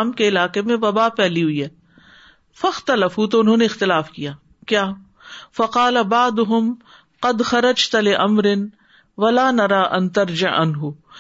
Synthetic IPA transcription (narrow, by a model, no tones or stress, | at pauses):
mkeɪlaːqemẽʋɐbaːpɛːliɦʊiɦɛː | fɐxt̪ɐlɐfɦut̪̬oʊnɦõːneɪxt̪ɪlaːfkijaː | kjaː | fɐqɑːlabaʕd̪ʊɦʊm | qɐd̪xɐɾɐd͡ʒt̪lɪʔɐmɾɪn | ʋɐlaːnɐɾaːʔɐnt̪ɐɾd͡ʒɪʕɐ̰nɦʊ